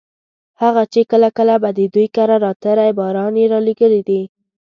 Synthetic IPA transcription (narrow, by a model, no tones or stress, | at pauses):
haɣat͡ʃekəlakəlabad̪əd̪ujkaɾaɾɑt̪əɾajbɑɾɑnjeɾɑleɡəlid̪i